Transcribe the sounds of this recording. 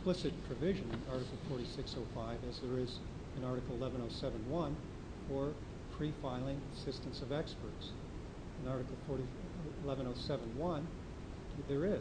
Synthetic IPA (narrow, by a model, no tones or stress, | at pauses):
plɪsɨt̚pʰɹ̥ɨvɪʒɨ̃nɨ̃nɑɹɾɨkl̩ˠfɔɹɾisɪksoʊfaɪvɨzðə˞ɪz | ɨ̃nɑɹɾɨkl̩ˠɪlˠɛvɨ̃ɾ̃oʊsɛvə̃nwʌ̃n | ə˞ | pʰɹ̥ifaɪlˠɪ̃ŋəsɪstɨ̃n̩sʌvɛkspə˞ts | ɨ̃nɑɹɾɨkl̩ˠfɔɹɾi | ɪlɛvə̃ñoʊsɛṽnwʌ̃n | ðə˞ɪ